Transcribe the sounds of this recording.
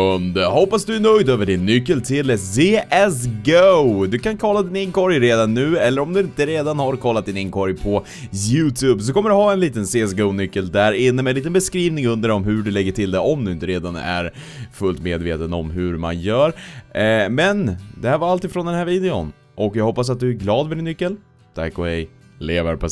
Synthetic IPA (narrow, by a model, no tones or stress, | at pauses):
ɵnd̪əhɔpːasd̪ɵænœjd̪øːvəɖɪnːʏkːəlt̪ʰɪlseːʔɛsɡoʊd̪ɵkʰankʰɔlːad̪ɪnɪŋkɔɾjɾeːd̪anːʉ̟ːɛlːəɾɔmd̪ɵɪnt̪əɾeːd̪anhaɾkʰɔlːat̪̚d̪ɪnɪŋkʰɔɾjpʰɔ | jʉːt̪ʰʉːbs̬ɔkʰɔmːəɖɵhɑːɛnliːt̪ənseːɛs̬ɡoʊnʏkːəld̪æɾɪnːəmɛliːt̪ənbɛskɾiːvnɪŋɵnd̪əɖɔmɦɵɖɛlɛɡːəʈʰɪld̪ɛɔmd̪ɵɪnt̪əɾeːd̪anæ̰ɾ | fɵlt̪meːd̪veːt̪ənɔ̰mɦɵɾma̰njœːɾ | mɛnd̪ɛhæːɾvaɾalt̪iːdfɾɔnd̪ɛnhæːɾviːd̪ɛʊ̰n | ʔɔkjɑːɡɦɔpːas̬at̪̚d̪ɵæɡlɑːd̪fœɖɪnːʏkːəl | t̪ʰæ̰kːɔhɛj | leːvəɾpʰɔ